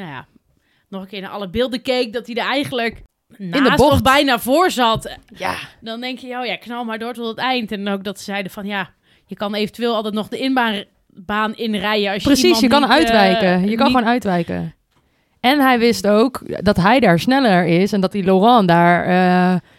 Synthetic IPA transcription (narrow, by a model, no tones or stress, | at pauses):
naja̰ | nɔχəkɪːɹnaʔɑ̰ləbɪːlˠdəkejk̚dɔtdidəɹɛjχənlək | nɪndəaːbɔbɛjnaːvʊːɹzɑtja̰dɔndɛŋkjəjoːjaɪkːnɑlˠmaːɹdʊːɹtɔtətɛjntɛnok̚dɔtsə̥zɛjdəfɔnja | jəkɑnejvəntyʋeːlˠɑlˠtɛtnɔχdəɪnba | baːnɪnrɛjəɑlsjprəsisjəkɑnœɥtʋɛjkəjəkɑnoːnœɥtʋɛjkə̰ | ɛnɦɛjʋɪstowkdɑtɦɛjdaːɹsnɛləɹɪsɛndɔt̚dilorɑ̃ndaːɹə